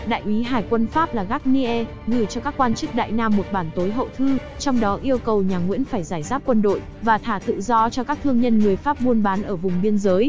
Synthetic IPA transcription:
ɗa̰ː˧˨jʔi˨˦ɦaː˨˩jkwə˧nfaː˦˥p̚laː˨˩ɣaː˦˥k̚ni˧ʔɛ˧ | ɣɨ˧˩t͡ɕɔ˧kaː˦˥kːwaː˧nt͡ɕɨ˦˥k̚ɗa̰ː˧˨jnaː˧mːo˨˩t̚ɓaː˧˩nt̪o˨˦jɦə̰˧˨t̪ʰɨ˨˧˦ | t͡ɕɔ˧wŋ͡mɗɔ˨˦ʔi˧əwkə˨˩wɲaː˨˩ŋwḭ˧˥ənfaː˧˩jzaː˧˩jzaː˦˥p̚kwə˧nɗo̰˧˨j | vaː˨˩t̪ʰaː˧˩t̪ɨ̰˧˨zɔ˧t͡ɕɔ˧kaː˦˥k̚t̪ʰɨ˧əŋɲə˧nŋɨ˨˩əjfaː˦˥p̚mu˧ənɓaː˨˦nʔəː˧˩vʊ˨˩ŋ͡mɓi˧ənzəː˨˦j

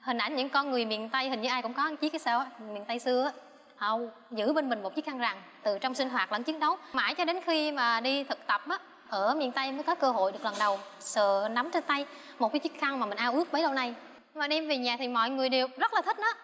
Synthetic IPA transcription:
hï˨˩ŋ̟ʔa˧˩jnɲɨ̰˧˥ŋkɔ˧nŋɨ˨˩əjmḭ˧˨ənt̪a˧jhï˨˩ŋ̟ɲɨ˧ʔːjkʊ̰˧˥ŋ͡mkɔ˨˦ʔə˧nt͡ɕi˧˦˥kːa˨˦sə̰ː˧wʔa˨˧˦mḭ˧˨nt̪a˧jsɨ˧əaː˨˦ | ʔə˧w | zɨ̰˧˥ɓe˧nmï˨˩ŋ̟mo˨˩t̚t͡ɕi˦˥xʰa˧ŋza˨˩ŋ | t̪ɨ˨˩t͡ɕɔ˧wŋ͡msi˧ŋ̟ɦwaː˨˩t̚lə̰˧˥nt͡ɕi˨˦ən̚ɗə˨˦wmaː˧˩jt͡ɕɔ˧ɗe˨˦nxi˧maː˨˩ɗi˧t̪ʰɨ˨˩k̚t̪ə˨˩p̚ʔaː˨˦ | ʔəː˧˩mḭ˨ənt̪a˧jməː˨˦jkɔ˨˦kəː˧ɦo̰˧˨jɗɨ˨˩ək̚lə˨˩nɗə˨˩wsə̰ː˧˨na˨˦mt͡ɕe˧nt̪a˧j | mo˨˩kːa˨˦t͡ɕi˦˥ək̚xa˧ŋmaː˨˩mï˨˩ʔaː˧wʔɨ˦˥ək̚ɓəː˨˦jɗə˧wna˨˩j | maː˨˩ɗɛ˧mve˨˩ɲaː˨˩t̪ʰi˨˩mɔ̰˧˨jŋɨ˨˩əjɗe˨˩əwzə˦˥t̚laː˨˩ï˦˥t̚nɔː˨˦

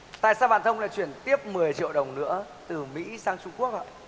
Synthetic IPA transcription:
t̪a̰ː˧˨jsaː˧wɓa̰ː˧˨nt̪ʰə˧wŋ͡mla̰ː˧˨jt͡ɕwi˧˩ənt̪i˦˥əp̚mɨ˨˩əjt͡ɕḭ˧˨əwɗə˨˩wŋ͡mnɨ̰˧˥ə | t̪ɨ˨˩mḭ˧˥saː˧ŋt͡ɕʊ˧ŋ͡mku˦˥ək̚a̰ː˧˨

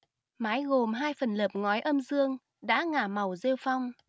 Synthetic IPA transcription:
maː˨˦jɣo˨˩mɦaː˧jfə˨˩nləː˨˩p̚ŋɔ˨˦jʔə˧mzɨ˧əŋ | ɗa̰ː˧˥ŋaː˧˩ma˨˩wze˧wfa˧wŋ͡m

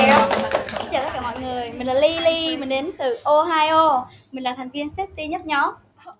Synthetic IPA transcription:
i˧˦t͡ɕaː˧˩t̪ə˦˥kaː˧˩mɔ̰˧˨jŋɨ˨˩əjmï˨˩ŋ̟laː˨˩li˧li˧mï˨˩ŋ̟ɗe˨˦nt̪ɨ˨˩ʔo˧ɦaː˧jʔo˧ | mï˨˩ŋ̟laː˨˩t̪ʰɛ˨˩ŋvi˧ənsɛ˦˥t̚si˧ɲə˦˥t̚ɲɔ˨˦

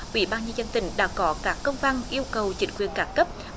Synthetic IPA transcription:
ʔwḭ˧˩ɓaː˧nɲə˧nzə˧nt̪ï˨˦ŋ̟ɗa̰ː˧˥kɔ˨˦kaː˦˥kːə˧wŋ͡mva˧nʔi˧əwkə˨˩wt͡ɕï˨˦ŋ̟kwi˨˩ənkaː˨˦nkə˦˥p̚

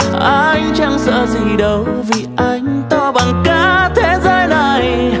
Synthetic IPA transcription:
ʔa˧jŋ̟t͡ɕa˧ŋ͡msə̰ː˧˥zi˨˩ɗə˨˦wvi˨˩ʔa˧˦jŋ̟t̪ɔ˧ɓaː˨˩ŋkaː˧˦t̪ʰe˨˦zəː˧jna˨˩j

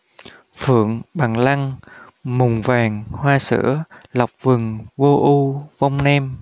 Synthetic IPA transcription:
fɨ̰˧˨əŋɓaː˨˩ŋla˧ŋ | mʊ˨˩ŋ͡mvaː˨˩ŋhwaː˧sɨ̰˧˥əla˨˩wk͡p̚vɨ˨˩ŋvo˧ʔu˧va˧wŋ͡mnɛ˧m

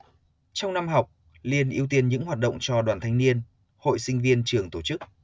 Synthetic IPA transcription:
t͡ɕɔ˧wŋ͡mna˧mɦa˨˩wk͡p̚ | li˧ənʔi˧əwt̪i˧ənɲɨ̰˧˥ŋɦwaː˨˩t̚ɗə̰˧˨ŋ͡mt͡ɕɔ˧ɗwaː˨˩nt̪ʰa˧jŋ̟ni˧ən | ho̰˧˨jsï˧ŋ̟vi˧ənt͡ɕɨ˨˩əŋt̪o˧˩t͡ɕɨ˦˥k̚

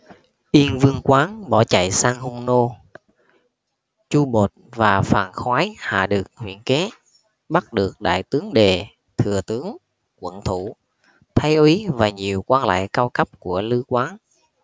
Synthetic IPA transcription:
ʔi˧ənvɨ˧əŋkwaː˨˦nɓɔ˧˩t͡ɕa̰˧˨jsaː˧ŋhʊ˧ŋ͡mno˧ | t͡ɕu˧ɓo˨˩t̚vaː˨˩faː˨˩nxwaː˨˦jha̰ː˧˨ɗɨ˨˩ək̚hwḭ˧˩ənke˨˦ | ɓa˦˥t̚ɗɨ˨˩ək̚ɗa̰ː˧˨jt̪ɨ˨˦əŋɗe˨˩ | t̪ʰɨ˨˩ət̪ɨ˨˦əŋ | kwə̰˧˩nt̪ʰu˧˩ | t̪ʰa˨˧˦jʔwi˨˦vaː˨˩ɲi˨˩əwkwaː˧nla̰ː˧˨jkaː˧wkə˦˥p̚ku˧˩əlɨ˧kwaː˨˦n

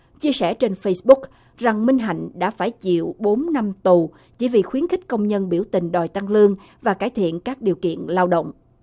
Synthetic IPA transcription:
t͡ɕi˧əsɛ˧˩t͡ɕe˧nfə˧jsɓʊ˦˥k̚ | za˨˩ŋmï˧ŋ̟ɦa̰˧˨jŋ̟ɗa̰ː˧˥faː˧˩jt͡ɕḭ˧˨əwɓo˨˦nna˧mt̪u˨˩ | t͡ɕi˧˩vḭ˨˩xwi˨˦ənxï˦˥k̟̚kə˧wŋ͡mɲə˧nɓi˧˩əwt̪ï˨˩ŋ̟ɗɔ˨˩jt̪a˧ŋlɨ˧əŋ | vaː˨˩kaː˧˩jt̪ʰḭ˧˨ənkaː˦˥k̚ɗi˨˩əwkḭ˧˨ənlaː˧wɗə̰˧˨wŋ͡mʔ

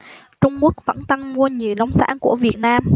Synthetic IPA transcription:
t͡ɕʊ˧ŋ͡mku˦˥ək̚və̰˧˥nt̪ə˧ŋmu˧əɲi˨˩əwla˧wŋ͡msa̰ː˧˥nku˧˩əvi˨˩ət̚naː˧m

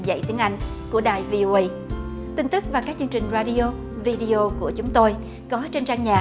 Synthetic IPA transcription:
zə̰˧˨jt̪i˨˦əŋʔa˧jŋ̟ku˧˩əɗaː˨˩jvi˧ʔo˧ʔə˧j | t̪ï˧ŋ̟t̪ɨ˦˥k̚vaː˨˩kaː˦˥k̚t͡ɕɨ˧əŋt͡ɕï˨˩ŋ̟zaː˧ɗi˧ʔo˧ | vi˧ɗi˧ʔo˧ku˧˩ət͡ɕʊ˨˦ŋ͡mt̪o˧j | kɔ˨˦t͡ɕe˧nt͡ɕaː˧ŋɲa̰ː˨˩

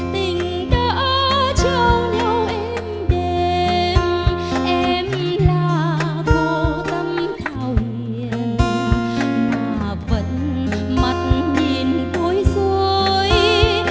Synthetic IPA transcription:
t̪ï˨˩ŋ̟ | ɗ̪əː˧˦t͡ɕə˧˩wlɛ˧wʔɛ˧m | ɗe˧mʔɛ˧mlaː˨˩vo˧t̪ə˧mt̪ʰaː˨˩wɲi˧˨ən | maː˨˩ | və̰˧˥nma˨˩t̚ɲi˧˩ənko˧˦jzo˧j

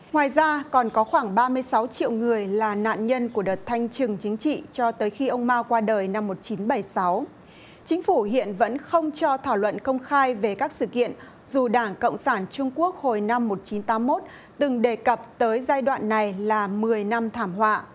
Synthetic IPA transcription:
ŋwaː˨˩jzaː˧kɔ˨˩nkɔ˨˦xwaː˧˩ŋɓaː˧mɨ˧əjsa˨˦wt͡ɕḭ˧˨wŋɨ˨˩əjlaː˨˩na̰ː˧˨nɲə˧nku˧˩əɗəː˨˩t̚t̪ʰa˧jŋ̟t͡ɕɨ˨˩ŋt͡ɕï˨˦ŋ̟t͡ɕḭ˧˨t͡ɕɔ˧t̪əː˨˦jxi˧ʔə˧wŋ͡mmaː˧wkwaː˧ɗəː˨˩jna˧mːo˨˩t̚t͡ɕi˨˦nɓa˧˩jsa˨˦w | t͡ɕï˨˦ŋ̟fu˧˩hḭ˧˨ənvə̰˧˥nxə˧wŋ͡mt͡ɕɔ˧t̪ʰaː˧˩wlwə̰˧˨nkə˧wŋ͡mxaː˧jve˨˩kaː˦˥k̚sɨ̰˧˨kḭ˧˨ən | zu˨˩ɗaː˧˩ŋkə̰˧˨wŋ͡msaː˧˩nt͡ɕʊ˧ŋ͡mku˦˥ək̚ho˨˩jna˧mːo˨˩t̚t͡ɕi˨˦nt̪aː˨˦mːo˦˥t̚ | t̪ɨ˨˩ŋɗe˨˩kə˨˩p̚t̪əː˨˦jzaː˧jɗwa̰ː˧˨nːa˨˩jlaː˨˩mɨ˨˩əjna˧mt̪ʰaː˧˩mɦwa̰ː˧˨

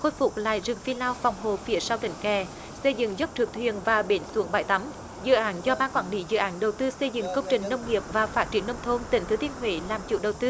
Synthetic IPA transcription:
xo˧jfʊ˨˩k͡p̚la̰ː˧˨jzɨ˨˩ŋfi˧laː˧wfɔ˨˩wŋ͡mɦo˨˩fi˨˦əsaː˧wt̪ï˧˩ŋ̟kɛ˨˩ | sə˧jzɨ̰˧˨ŋzə˦˥p̚t͡ɕ̪ɨ˨˩k̚t̪ʰwḭ˧˨ənvaː˨˩ɓe˨˦nsu˨˦əŋɓaː˧˩jt̪a˨˦m | zɨ̰˧˨ʔaː˨˦nzɔ˧ɓaː˧nkwaː˧˩˦nlḭ˧˦zɨ̰˧˨ʔaː˨˦nɗə˨˩wt̪ɨ˧sə˧jzɨ̰˧˨ŋkə˧wŋ͡mt͡ɕï˨˩ŋ̟nə˧wŋ͡mŋi˨˩əp̚vaː˨˩faː˦˥t̚t͡ɕi˧˩ənːə˧wŋ͡mt̪ʰo˧nt̪ï̟˨˩t̪ʰɨ˨˦t̪i˧ənɦwḛ˧˦laː˨˩mt͡ɕṵ˧˩˥ɗə˨˩wt̪ɨ˧

